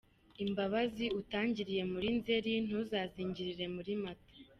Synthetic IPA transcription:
imbaβaziutaːɲɟiɾije̞muɾinze̞ɾin̥uzaːziːɲɟiɾiɾe̞muɾimatḁ

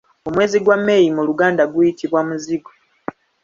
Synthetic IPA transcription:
o̞mwe̞ːziɡwamːe̞jimuluɡaːndaɡujitiβwamuziɡo

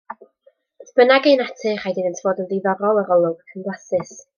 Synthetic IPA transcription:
sb̥ənaɡejnatʰɨχajdiðɪntʰv̥oːdənðɪðɔɾɔlˠəɾɔlˠʊɡ̥ʰənblˠasɨs

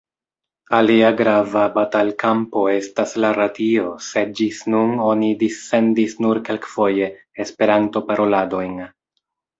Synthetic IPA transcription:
aliaɡɾavabatalkampo̞e̞staslaɾadio̞se̞d̚d͡ʒisnuno̞nidisːe̞ndisnuɾke̞lkfo̞je̞ː | spe̞ɾanto̞paɾo̞lado̞jn

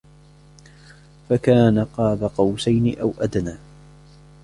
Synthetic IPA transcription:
fakaːnaqɑːbaqɑwsajnɪʔawʔad̪naː

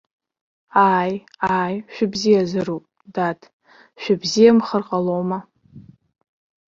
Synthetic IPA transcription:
aːj | aːjʃᶣɪbzijazɨɾupʼ | datʰ | ʃʷᶣɪbzijamχərqʼalowma

